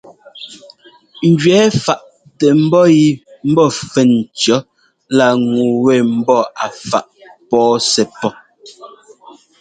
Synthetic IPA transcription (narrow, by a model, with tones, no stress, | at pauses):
ŋ̩˨ɡɥɛ˨˦fa˨ʔ | tɛ˨m̩˦bɔ˦ji˦m̩˦bɔ˦˨fɛ˨nt͡ʃɔ˨˦ | la˦˨ŋu˨wɛ˦˨m̩˦bɔ˦˨a˨fa̰˨ʔpɔː˦sɛ˨pɔ˦